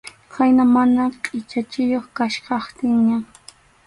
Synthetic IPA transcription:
kajnamanaqʼɪt͡ʃat͡ʃɪjoχkaʃqɑχt̪ɪŋɲa

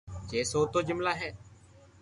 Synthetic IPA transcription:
t͡ʃeːsoːt̪oːd͡ʒɪmlaːɦɛː

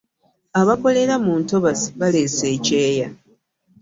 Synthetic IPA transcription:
aβako̞le̞ɾamuːnto̞βasi̥βale̞se̞ːce̞ːja

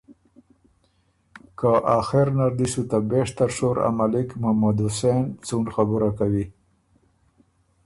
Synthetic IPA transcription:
kaʔaxɪɾnaɾd̪isut̪abeʂt̪aɾʂoɾa̰malɪkmamad̪usent͡suɳɖxabuɾakawi

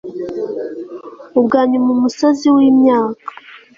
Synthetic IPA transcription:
ubɡaːɲumumusoziwiːmɲaːkḁ

